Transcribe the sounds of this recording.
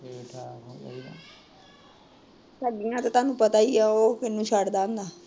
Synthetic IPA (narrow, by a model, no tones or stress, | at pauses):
ʈʰaː | saːɖɪjãːt̪at̪aːnũːpət̪aːiaːoːkɪnũːt͡ʃʰaɖd̪aːə̃nd̪aː